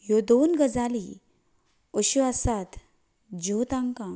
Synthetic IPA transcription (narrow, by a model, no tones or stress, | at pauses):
jod̪onɡəd͡zali | oɕuʋasat̪ | d͡ʑot̪ãŋkã